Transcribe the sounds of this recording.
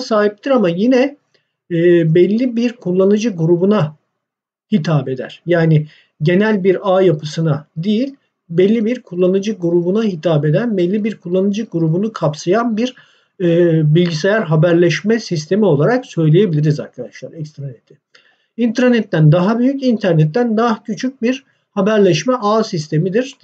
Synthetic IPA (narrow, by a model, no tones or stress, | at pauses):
saːɦip̚t̪ʰiɾamajinɛː | bɛlʲːibiɾkʰulˠːanɯd͡ʒɯɡuɾubuna | hit̪ʰaːpe̞d̪æ̰ɾ̥jaːnɪ | ɟe̞nælʲbiɾaːjapʰɯsɯnad̪ijilʲ | bɛlʲːibiɾkʰulˠːanɯd͡ʒɯɡuɾubunahit̪ʰaːbe̞d̪ænbɛlʲːibiɾkʰulˠːanɯd͡ʒɯɡuɾubunukʰapsajanbiɾ̥ː | bilʲɟisejæɾɦabæɾlʲɛʃmɛsist̪ʰe̞mio̞lˠaɾaksø̞jlʲejebilʲiɾiza̰ɾkʰad̪aʃlˠa̰ɾɛkst̪ɾanet̪ʰɪ | int̪ʰɾanɛt̪ːænd̪aɦabyjycint̪ʰæɾnɛt̪ːænd̪acʰyt͡ʃʰyc̚biɾ̥ | habæɾlʲɛʃmɛʔaːsist̪ʰe̞mid̪iɾ̥